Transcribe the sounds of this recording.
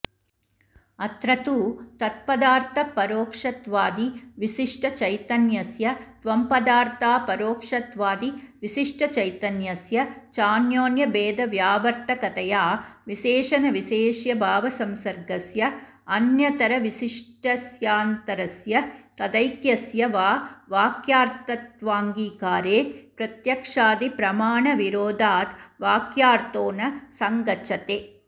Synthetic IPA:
ɐt̪ɾɐt̪uːt̪ɐt̪̚pɐd̪aːɾt̪ʰɐpːɐɾoːkʂɐt̪ʋaːd̪iʋiʃiʂʈɐt͡ʃɐjt̪ɐnjɐsjɐt̪ʋɐmpɐd̪aːɾt̪aːpɐɾoːkʂɐt̪ʋaːd̪iʋiʃiʂʈʰɐt͡ʃɐjt̪ɐnjɐsjɐt͡ʃaːnjoːnjɐbeːd̪ɐʋjaːʋɐɾt̪ʰɐkɐt̪ɐjaːʋiʃeːʂɐnɐʋiʃeːʂjɐbʱaːʋɐsɐmsɐɾɡɐsjɐ | ɐnjɐt̪ɐɾɐʋiʃiʂʈɐsjaːnt̪ɐɾɐsjɐkɐd̪ɐjkjɐsjɐʋaːʋaːkjaːɾt̪ɐt̪ʋaːŋɡiːkaːɾeːpɾɐt̪jɐkʂaːd̪ipɾɐmaːɳɐʋiɾoːd̪ʱaːt̪ʋaːkjaːɾt̪oːnɐsɐŋɡɐʃʰɐt̪eː

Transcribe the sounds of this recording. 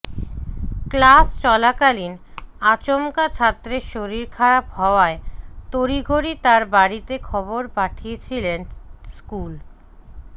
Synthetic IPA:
klast͡ɕɔlakalin | at͡ɕomkat͡ɕʰat̪ːɾeʃoɾiɾkʰaɾapɦɔoaet̪oɾiɡʱoɾit̪aɾbaɾit̪ekʰɔboɾpaʈʰijet͡ɕʰilenskul

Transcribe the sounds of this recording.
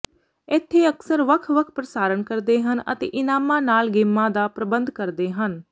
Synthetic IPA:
ɪt̪ʰːeːəksəɾʋəkʰʋəkʰpɾəsaːɾənkəɾd̪eːɦənə̰t̪ḛːʔɪnaːmãːnaːlɡeːmːãːd̪aːpɾəbə̃nd̪kəɾd̪eːɦən

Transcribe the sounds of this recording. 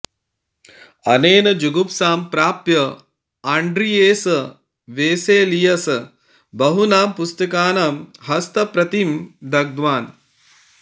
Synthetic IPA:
ɐneːnɐd͡ʒuɡupsaːmpɾaːpjɐ | aɳɖɾijeːsɐ | ʋeːseːlijɐs | bɐɦunaːmpust̪ɐkaːnamɦɐst̪ɐpɾɐt̪imd̪ɐɡ̚d̪ʋaːn

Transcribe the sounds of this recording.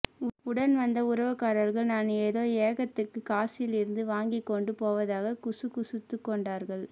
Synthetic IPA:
ʊɽɐnʋɐnd̪ɐʊɾɐʋɐkaːɾɐɾɣɐɭnaːneːðoːeːɣɐt̪ːɯkːɯkaːsɪɪlɪɾɯnd̪ɯʋaːŋɡɪkːɔɳɖɯpoːʋɐðaːɣɐkʊsɯkʊsʊt̪ːɯkːɔɳɖaːɾɣɐɭ

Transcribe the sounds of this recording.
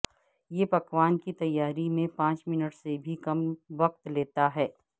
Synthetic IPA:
jeːpɐkʋaːnkit̪ɐjːaːɾimẽpãːt͡ʃmɪnəʈsebʱikɐmʋɐq̚t̪leːt̪aɦɛː

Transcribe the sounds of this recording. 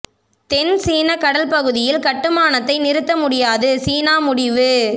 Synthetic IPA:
t̪ɛnsiːnɐkɐɽɐlpɐɣɯðɪjɪlkɐʈːɯmaːnɐt̪ːɐɪnɪɾɯt̪ːɐmʊɽɪjaːðɯsiːnaːmʊɽɪʋɯ

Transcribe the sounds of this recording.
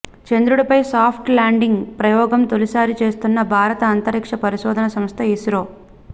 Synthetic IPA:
t͡ʃend̪ɾuɽɐpɐjsaːpʰʈlaːɳɖiŋɡpɾɐjɔːɡɐmt̪olisaːɾit͡ʃe̞ːst̪unːɐbʱaːɾɐt̪ɐːnt̪ɐɾikʂɐpɐɾiʃɔːd̪ʱɐnɐsɐmst̪ʰɐisiɾoː

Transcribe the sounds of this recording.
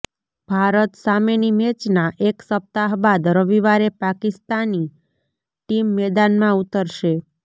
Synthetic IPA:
b̥ʱaɾət̪samenimɛt͡ʃnaʔeksəp̚t̪aɦbad̪ɾəʋiʋaɾepakist̪ani | ʈimːɛd̪anmãut̪əɾʃe

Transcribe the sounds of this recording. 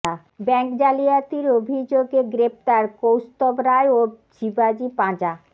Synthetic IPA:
a | bɛŋkd͡ʑalijat̪iɾobʱid͡ʑoɡeɡɾep̚t̪aɾkowst̪obɾaeo | d͡ʑibad͡ʑipãd͡ʑa

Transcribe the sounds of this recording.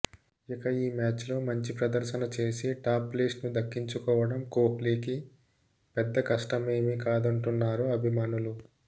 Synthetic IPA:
ikɐiːmaːt͡ʃlo̞ːmɐɲt͡ʃipɾɐd̪ɐɾʃɐnɐt͡ʃe̞ːsiʈaːpːleːsnud̪ɐkːiɲt͡ʃukɔːʋɐɽɐmkoːkliːki | pɛd̪ːɐkɐʂʈɐme̞ːmikaːd̪ɐɳʈunːaːɾuɐbʱimaːnulu

